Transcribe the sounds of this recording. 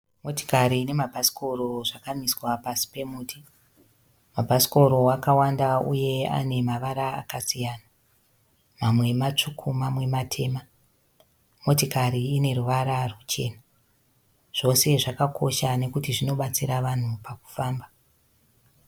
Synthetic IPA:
mo̞ti̥kaɾiːne̞mabʱasi̥kʰo̞ro̞ʐakamiswapasi̥pe̞muːtʰi | mabʱasi̥ko̞ɾo̞wakawandaṵje̞a̰ne̞maʋaɾaa̰kasijaːna | mamwe̞mat͡ʂukʰumamwe̞matʰe̞ːma | mo̞tikaɾiːne̞ɾuʋaɾarut͡ʃe̞̰ːna | ʐ̥o̞se̞ʐakakʰo̞ʃane̞kutiʐino̞ɓat͡siɾaʋan̤upaku̥faːmba

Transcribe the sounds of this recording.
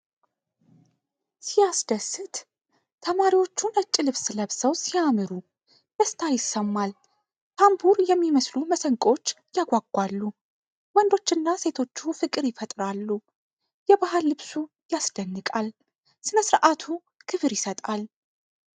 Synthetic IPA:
sijasd̪əsːɨt̪ | t̪ʰəmaɾiwo̞t͡ʃːunət͡ʃʼːilɨβsləβsəwsijamɨɾu | d̪̥əst̪ʰajɪsəmːal | t̪ʰambuɾjɛmːiməsluməsəŋkʼo̞t͡ʃː | jaɡʷaɡːʷalːu | wɔnd̪o̞t͡ʃːɨnːase̞t̪ʰo̞t͡ʃːufɨkʼɨɾjɪfət̪ʼɾalːu | jɛβaɦalːɨβsu | jasd̪̥ənːɨkʼal | sɨnəsɨɾʔat̪ʰu | kʰɨβɨɾjɪsət̪ʼal

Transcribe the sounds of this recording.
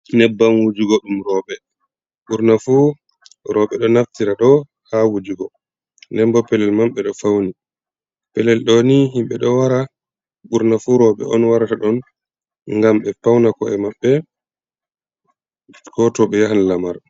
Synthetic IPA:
nɛbːanwud͡ʒuɡɔɗumɾɔɓɛ | ɓuɾnafu | ɾɔɓɛɗɔnaftiɾaɗɔ | hawud͡ʒuɡɔ | nɛmbɔpɛlɛlmamɓɛɗɔfawni | pɛlɛlɗɔniɦimɓɛɗɔwaɾa | ɓuɾnafuɾɔɓɛ̰ʔɔnwaɾataɗɔn | ŋɡamɓɛfawnakɔɛmaɓːɛ | kɔtɔɓɛjaɦanlamaɾ

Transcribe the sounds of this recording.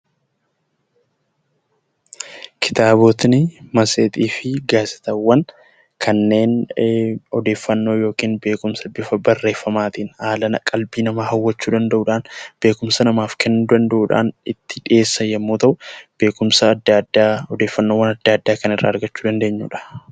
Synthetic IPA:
kʰɪ̥t̪aːboːt̪nɪmɐseːt̪ʼiːfɪɡaːsɪ̥t̪ɐwːɐn | kʰɐnːe̞ːn | ɔd̪e̞ːfːɐnːo̞ːjo̞ːkiːnbe̞ːkʊmsɐbɪfɐbɐrːe̞ːfːɐmaːt̪iːnhaːlɐnɐkʼɐlbiːnɐmaːhɐwːɐt͡ʃːuːd̪ɐnd̪ɐʔuːᶑaːnb̥e̞ːkʊmsɐnɐmaːfkɛnːuːd̪ɐnd̪ɐʔuːᶑa̰ːnɪt̪ːɪᶑɪe̞ːsːɐjɛmːuːt̪ɐʔʊb̥e̞ːkʊmsɐd̪d̪aɔd̪e̞ːfːɐnːoːwːɐnɐd̪ːaːd̪ːaːkɐnɪrːa̰ːɐɾɡɐt͡ʃːuːd̪ɐnd̪e̞ːɲːṵːᶑɐ̥

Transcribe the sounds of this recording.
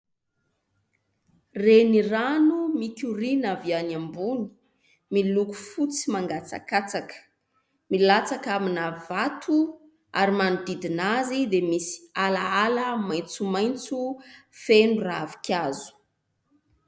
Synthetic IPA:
reniranumikʲuɾinavianambuni̥ | miluku̥fut͡simaŋɡat͡sa̰kat͡sakə̥ | milat͡sakaminavat̪ʰu | a̰ɾimanud̪id̪inazid̪emisi̥alaaləmajnt͡sumajnt͡sufenuravi̥kʲʰazu̥

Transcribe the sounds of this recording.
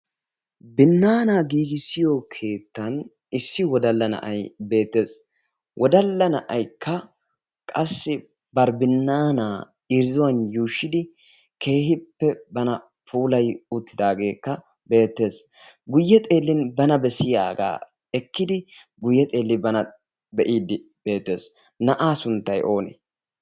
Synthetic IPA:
bɪnːaːnaːɡiːɡɪsɪjɔkʰe̞ːt̪ːɐn | ɪsːɪwɔd̪ɐlːɐnɐ̰ʔɐjbe̞ːt̪ːe̞ːs | wʔɔd̪ɐlːɐnɐʔɐjkʰːɐ | kʼɐsːɪ | bɐɾbɪnːaːnaː | ɪɾzʊwɐnjuːʃːɪd̪ɪ | kʰe̞ːhɪpːɛbɐnɐ | puːlɐjʊt̪ːɪd̪aːɡe̞ːkːɐ | be̞ːt̪ːe̞ːs | ɡʊjːɛt̪ʼe̞ːlːɪnbɐnɐbɛsɪja̰ːɡa̰ː | ɛkːɪd̪ɪ | ɡʊjːɛt̪ʼe̞ːlːɪbɐnɐ | bɛʔiːd̪ɪ | b̥e̞ːt̪ːe̞ːs | nɐʔaːsʊnt̪ːɐjo̞ːnɛ̰

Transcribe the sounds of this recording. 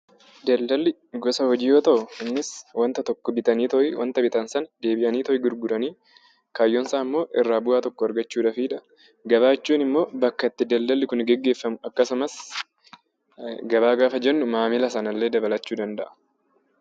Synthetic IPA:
d̪ɐld̪ɐlːɪ | ɡɔsɐhɔd͡ʒiːjoːt̪ɐʔʊɪnːɪswɐnt̪ɐt̪ɔkːɔbɪt̪ɐniːt̪ɔʔwʔɐ̰nt̪ɐbɪt̪ɐnsɐnd̪e̞ːbɪʔɐniːt̪ɔʔɪɡʊɾɡʊɾɐniː | kaːjːɔnsaːmːo̞ːʔɪrːaːbʊaːt̪ɔkːɔɐɾɡɐt͡ʃːuːᶑɐfiːᶑ̪ɐ | ɡɐβaːt͡ʃːuːnɪmːo̞ːbɐkːɐɪt̪ːɪd̪ɐld̪ɐlːɪkʊnɡɛɡːe̞ːfːɐmʊɐkːɐsʊmɐs | ɡɐβaːɡaːfɐd͡ʒɛnːʊmaːmɪlɐsɐnɐlːe̞ːd̪ɐbɐlɐt͡ʃːuːd̪ɐnd̪ɐʔɐ̥

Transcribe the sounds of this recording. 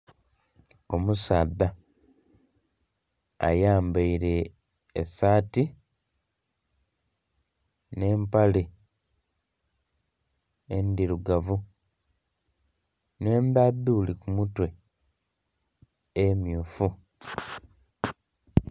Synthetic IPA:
o̞musaːðːa | a̰jaːmbaiɾe̞ː | saːti | ne̞ːmpali | endiɾuɡavu | ne̞ːndaðːuulikumutwe̞ | emjuːfu

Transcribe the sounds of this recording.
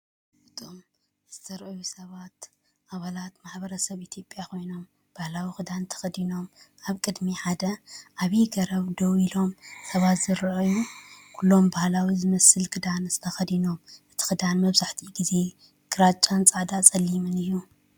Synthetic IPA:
ɨt̪ʼom | z̥ɨt̪ʰɐɾʔujusɐβat̪ | ʔaβalat̪maħbɐɾɐsɐβit̪ʰijo̞pʼːjakʰo̞jno̞m | b̥ahlawixɨd̪ant̪ʰɐ̥xɐd̪ino̞maβkʼɨd̪miħad̪ɐʔaβjiɡɐɾɐβd̪owilo̞msɐβat̪z̥ɨɾʔjukʰulːo̞mbahlawizɨmɐsɨlkʰɨd̪anz̥ɨt̪ʰɐxɐd̪ino̞mʔɨt̪ʰi̥xɨd̪anmɐβzaħt̪ʰiɡize̞ | ɡʰɨɾat͡ʃʼant͡sʼaʕd̪at͡sʼɐlːimɨnɨjːu

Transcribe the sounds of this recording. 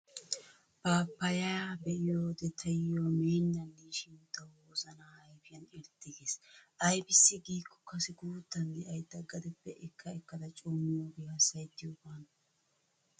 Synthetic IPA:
b̥aːpːɐjɐjaːbɛʔɪjoːd̪ɛt̪ʰɐjjoːmeːnːɐnːiːʃɪnt̪ːɐwoːzɐnaːɐjpɪjɐnɪɾt̪ːɪɡeːsʔɐjbɪsːɪɡiːkʰːɔ̥kɐsɪɡuːt̪ːɐnd̪ɛʔɐjd̪ɐɡːɐd̪ɪpːɛʔɪkːɐɛkːɐd̪ɐt͡ʃʼuːmːoɡɪjɐsɐjt̪ːɪjobaːn

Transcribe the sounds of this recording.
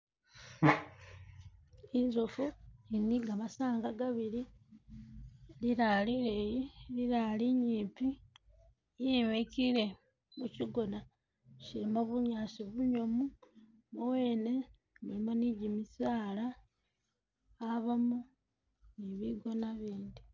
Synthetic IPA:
inzofuiniɡamasaːŋɡaɡaβiɾi | liɾalilejiliɾaliɲiːmpi | jimecile̞ | muciɡona | ʃimaβuɲaːsiβuɲomu | mowe̞ːne̞ | mulimaniɟimisaːla | βamu | niβiɡo̞naβiːndi

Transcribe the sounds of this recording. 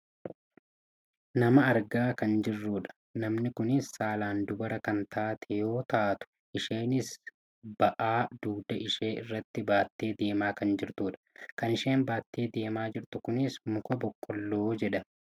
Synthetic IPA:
nɐmɐɐɾɡaːkɐnd͡ʒɪrːuːᶑɐ̥ | nɐmnɪkʊnɪsːaːlaːnd̪ʊbɐɾɐkɐnt̪ʰaːt̪ʰɛjo̞ːt̪aːt̪ʊ̥ | ʔɪʃeːnɪs | b̥ɐʔaːd̪̥uːd̪ɐʔɪʃe̞ːʔɪ̰rːɐt̪ːɪbaːt̪ːe̞ːd̪e̞ːmaːkɐnd͡ʒɪɾt̪uːᶑɐ̥kɐnɪʃe̞ːnbaːt̪ːe̞ːd̪e̞ːmaːd͡ʒɪɾt̪ʊkʊnɪsmʊkɔbɔkʼːɔlːoːd͡ʒɛᶑɐ

